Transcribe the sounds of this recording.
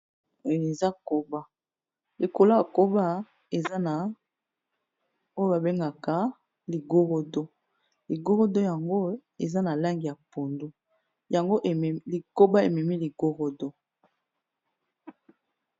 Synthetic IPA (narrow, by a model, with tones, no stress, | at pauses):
o˦jo˨e˨za˦ko˨ba˦ | li˨ko˨lo˦a˨ko˦ba˦ | e˨za˦na˨ | o˦jo˦ba˨be˦ŋɡa˨ka˨˦ | li˨ɡo˦ʁo˦do˦ | li˨ɡo˦ɣo˦do˦ja˨ŋɡo˦e˨za˦na˨la˦ŋɡi˨ja˨po˨ndu˦ | ja˨ŋɡo˦ʔli˨ko˦ba˦e˨mɛ˨mi˦li˨ɡ̥o˦ʁo˦do˦